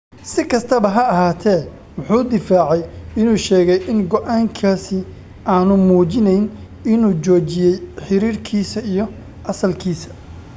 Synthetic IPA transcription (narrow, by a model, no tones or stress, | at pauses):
sɪkʰɐst̪ʰɐβɐɦɐɐɦaːt̪ʰɛː | wɑħuːd̪ɪfaːʕɛjɪnuːʃɛːɣɛjʔɪnɡɔʔaːŋkʰaːsɪ | ʔaːnʊmuːt͡ʃɪnɛjn | ɪnuːt͡ʃɔːt͡ʃɪjɛjħɪɾiːrkʰiːsɐijɔ | ʔɐsɐlkʰiːsɐ̥